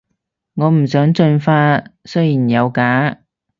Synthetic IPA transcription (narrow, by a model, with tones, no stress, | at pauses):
ŋɔː˨˧m̩˨˩sœː˨˥ŋt͡ʃɵ˧nfaː˧˥sɵ˥ɥjiː˨˩njɐ˨˧wkaː˨˥